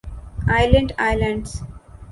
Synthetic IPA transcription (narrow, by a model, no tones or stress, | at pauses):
aɪlə̃ɳɖaɪlə̃ɳɖs